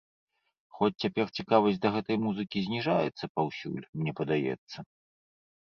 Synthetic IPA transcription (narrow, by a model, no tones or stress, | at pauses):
xɔt͡sʲt͡sʲapʲɛrt͡sʲikavɐsʲd̪ɐɣɛt̪ɐjmuzɨkʲizʲnʲiʐajɛ̰t̪sːɐpawsʲṵlʲmnʲɛpɐd̪ajɛ̰t̪sːɐ